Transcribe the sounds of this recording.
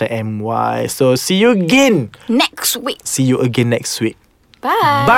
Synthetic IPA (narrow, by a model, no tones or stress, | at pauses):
əʔɛ̃mwa̰jsosijuəɡɛ̃nnɛkswiksijuʔəɡɛ̃nːɛkswit̚ | baba